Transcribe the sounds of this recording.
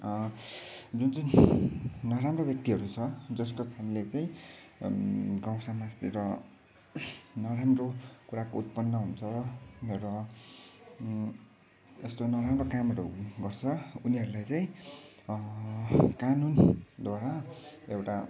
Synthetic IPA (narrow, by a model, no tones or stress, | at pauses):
d͡zunt͡saj̃ | nʌɾamrobjʌk̚t̪iɦʌɾut͡sʰʌd͡zʌskokʰanlet͡saĩ | ɡaw̃samast̪iɾʌ | nʌɾamrokuɾakout̪̚pʌnːʌɦunt͡sʰʌrʌ | est̪onʌɾamrokamʌɾṵɡʌrt͡sʰʌuniɦʌɾulajt͡saĩ | kanund̪waɾaewʈa